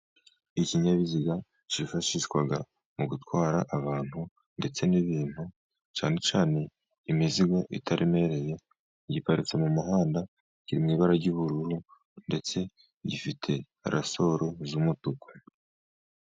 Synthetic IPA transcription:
iciɲaβiziɡa | t͡ʃifaʃiʃkwaɡa | muɡutwaːɾa̰ʔaβaːn̥hu | nde̞t͡se̞niβiːn̥hu | t͡ʃaːne̞t͡ʃaːne̞ | imiziɡo̞ʔḭtʰaɾʔime̞ɾe̞je̞ | ɟipaɾit͡se̞mumuɦaːnda | ciɾimɲiːβaɾaɟuβuɾuɾu | nde̞t͡se̞ | ɟifitʰe̞ | ɾʔa̰so̞ɾozumutukʰo̥

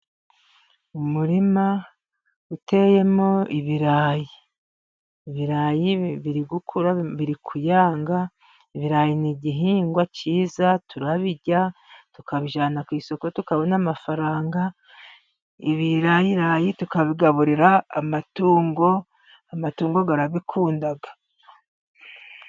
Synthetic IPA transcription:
umuɾima | ute̞je̞moiβiɾaːji | βiɾaːjiβiɾiɡukʰuɾaβiɾikʰujaːŋɡa | iβiɾaːjiniɟiɦiːŋɡwaciːzatʰuɾaβiɟatukaβiʒaːnakwiːso̞ko̞tukaβo̞namafaɾaːŋɡa | iβiɾajiɾajitukaβiɡaβuɾiɾaːmatuːŋɡo̞ | amatuːŋɡo̞ɡaɾaβikʰuːndaɡḁ

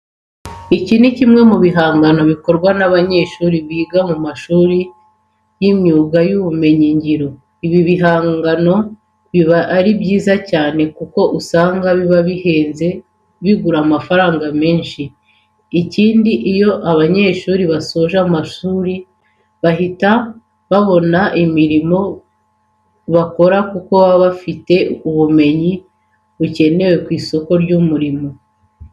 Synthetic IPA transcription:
icinicimŋe̞muβiɦaːŋɡano̞βiko̞ɾɡwanaβaɲe̞ːʃuːɾiβiːɡamumaʃuːɾi | jimɲuːɡajuβume̞ɲiɲɟiɾo̞ | iβiβiɦaːɡano̞ | βiβaɾibjiːzacaːne̞kuko̞ʔusaːŋɡaβiβaβihe̞ːnze̞ | βiɡuɾamafaɾaːŋɡame̞ːnʃiː | ciːndiʔijo̞ʔaβaɲe̞ːʃuːɾiβasoʒamaʃuːɾi | βaɦita | βaβo̞naʔimiɾimo̞ | βako̞ɾakuko̞βaβafite̞uβume̞ɲi | βuce̞ne̞we̞kwiːso̞ko̞ɾɟumuɾimo̞

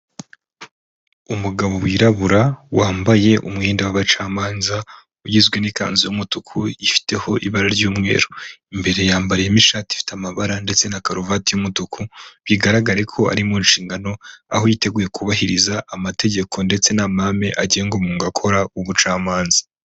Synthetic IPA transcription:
umuɡaβo̞wiːɾaβuɾawaːmbaje̞ʔumŋiːndawaβat͡ʃaːmaːnza | ujizɡwenika̰ːnzijumutukʰuifi̥te̞ho̞ʔiβaɾaɾɟuːmŋe̞̰ːɾoimbe̞ɾe̞jaːmbaɾijemiʃaːti̥fi̥tamaβaɾande̞t͡se̞nakaɾovatijumutukʰuβiɡaɾaɡaɾe̞kʰo̞a̰ɾimuːnʃiːŋɡano̞a̰hojite̞ɡuje̞kʰuβahiɾizaʔːmatʰe̞ɟe̞kʰo̞nde̞t͡se̞namame̞ʔaɟːŋɡomuːŋɡakʰo̞ɾauβut͡ʃaːmaːnzḁ

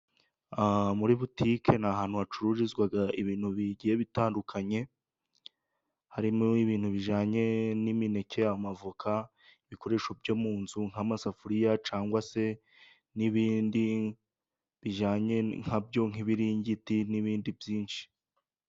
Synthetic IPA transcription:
amuɾiβutikʰe̞naɦaːn̥huat͡ʃuɾuʒizɡwaɡaʔiβiːn̥huβiɟije̞βitaːndukʰaɲe̞ | haɾimoiβiːn̥huβiʒaːɲe̞nimine̞ceamavukʰa | iβiko̞ɾe̞ʃobjomuːnzuŋ̥amasafuɾijat͡ʃaːŋɡwase̞ | niβiːndi | βiʒaːɲe̞ŋ̥abjo̞ŋ̥iβiɾiɲɟitiniβiːndibjiːnʃi̥

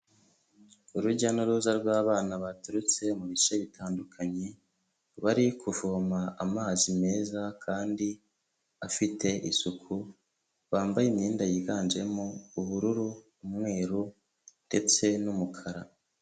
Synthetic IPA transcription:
uɾuɾɟanoɾuːzaɾɡwaːβaːnaβatuɾut͡se̞muβiʃeβitʰaːndukʰaɲe̞ | βaɾikʰuvomaamaːzime̞ːzakʰaːndi | afitʰe̞ʔḭsukʰu | βaːmbajimɲiːndajiɡaːnd͡ʒe̞mouβuɾuɾuː | mŋe̞ːɾu | nde̞t͡se̞numukʰaɾa

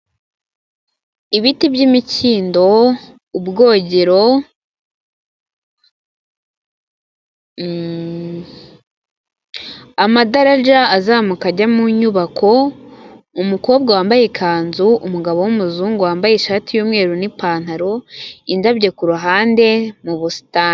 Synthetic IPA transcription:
iβitibjimiciːndo̞ | ubɡo̞ːɟeɾo̞ | amadaɾaʒaːzaːmukaɟamuɲuβakʰo̞ | umuko̞ːb̚ɡawaːmbaje̞kʰaːnzuumuɡaβo̞wumuzuːŋɡuwaːmbajeʃaːtijuːmŋe̞ːɾunipaːn̥haɾo̞indabɟe̞kuɾuɦaːnde̞muβusi̥taːn

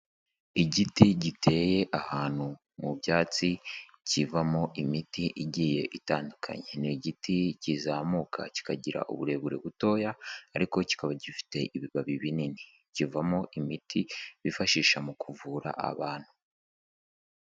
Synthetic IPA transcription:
iɟitiɟitʰe̞je̞ʔahaːn̥hu | mubjaːt͡si | civamoʔimitiʔiɟiːje̞ʔitaːndukʰa̰ɲeniɟitʰicizaːmukʰa̰ci̥kaɟiɾa̰ʔṵβuɾe̞βuɾe̞̰βuto̞ːjaːɾiko̞ci̥kaβaɟifi̥te̞ʔiβiβaβiβinini | civamoʔimitʰiβifaʃiːʃamukʰuvuɾa̰ʔa̰βaːn̥hu

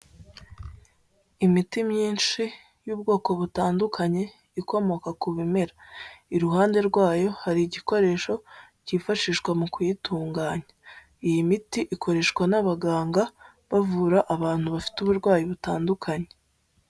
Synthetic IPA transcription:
imitimɲiːnʃi | juːbɡo̞ːko̞βutaːndukʰaɲe̞ | iko̞mo̞kakuβime̞ɾaiɾuɦaːnde̞ɾɡwaːjo̞haɾiːɟiko̞ɾe̞ːʃo̞ | ciːfaʃiːʃkwamukujituːŋɡaːɲa | ijimitiʔikʰo̞ɾe̞ʃkwanaβaɡaːŋɡa | βavuːɾaʔaβaːn̥huβafi̥tuβuɾɡwaːjiβutaːndukʰaɲe̞

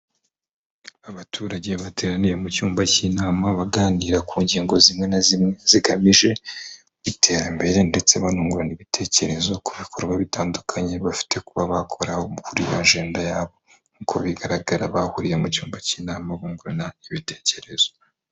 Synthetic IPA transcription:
aβatʰuːɾaɟe̞βatʰe̞ːɾanijemucuːmbacinaːmaβaɡaːniɾakʰuːɲɟiːŋɡo̞zimŋe̞nazimeziɡamiʒe̞ | βitʰe̞ɾambe̞ɾe̞nde̞t͡se̞βanuːŋɡuɾaniβitʰe̞ce̞ɾe̞zo̞kuβikʰo̞ɾɡwaβitaːndukʰaɲe̞βafi̥tʰe̞kuβaβakʰo̞ɾaouhuɾiβaɲʒe̞ːndajaːβo̞ | nukʰoβiɡaɾaɡaɾaβahuɾijemucuːmbaciːnaːmaβuːŋɡuɾanaiβitʰe̞̥ːce̞ɾe̞zo

